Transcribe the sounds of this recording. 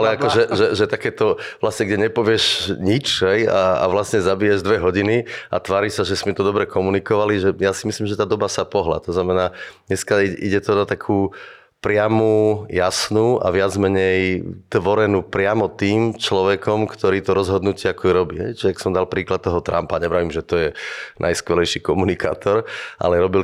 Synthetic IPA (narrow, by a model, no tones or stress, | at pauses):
alɛakɔʒɛʒɛʒɛt̪akɛːt̪ɔʋlasɲɛɡɟɛɲɛpɔʋɪɛʃɲit͡ʃɦɛjaa̰ʋlasɲɛzabijɛʒd̪ʋɛɦɔɟinia̰t̪ʋaːɾiʃsaʒɛsmɛt̪ɔd̪ɔbɾɛkɔmunikɔʋaliʒɛjasimisliːmʒɛt̪aːd̪ɔbasapɔɦla̰t̪ɔznamɛnaːɲɛskaiʔiɟɛt̪ɔnat̪akʰuː | pɾɪamuːjasnuːa̰ʋɪad͡zmɛɲɛjt̪ʋɔɾɛnuːpɾɪamɔt̪iːmt͡ʃlɔʋɛkʰɔmkt̪ɔɾiːt̪ɔɾɔzɦɔd̪nucɪɛakɔɛɾɔbiːɦɛjt͡ʃɛaksɔmd̪alpɾiːklat̪̚t̪ːɔɦɔt̪ɾa̰mpaɲɛbɾaʋimʒɛt̪ɔjɛnʔa̰jskʋɛlɛjʃikɔmunika̰ːt̪ʰɔɾʔa̰lɛɾɔbil